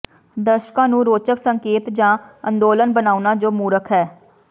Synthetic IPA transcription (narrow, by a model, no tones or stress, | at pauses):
d̪əʃkãːnũːɾoːt͡ʃəksəŋkeːt̪d͡ʒãːənd̪oːlənbənaːunaːd͡ʒoːmuːɾəkʰɦɛː